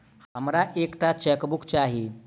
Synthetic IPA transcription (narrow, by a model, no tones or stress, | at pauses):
həmɾaʔekʈat͡ʃɛkbukt͡ʃaɦi